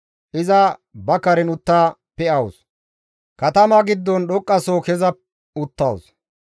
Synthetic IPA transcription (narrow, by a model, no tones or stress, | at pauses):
ʔɪzɐbɐkːɐɾɛnʊt̪ːaː | pːɛɐwʊs | kɐt̪ɐmɐɡɪd̪ːɔnɗɔkʼːɐsoːkɛzɐ | ʊt̪ːɐws